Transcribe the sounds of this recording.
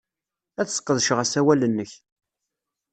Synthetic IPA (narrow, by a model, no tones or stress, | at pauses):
æθsə̥qːəðʃʁæsæwælənːəç